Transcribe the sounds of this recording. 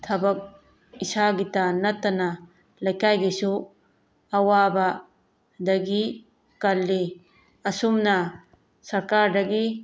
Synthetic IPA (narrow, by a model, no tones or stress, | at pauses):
t̪ʰɐbɐk̚ | isaɡitɐnɐt̪ːɐnɐ | lɐjkajɡisu | ɐwabɐ | dɐɡi | kɐlːi | ɐsumnɐ | sɐɾkaɾdɐɡi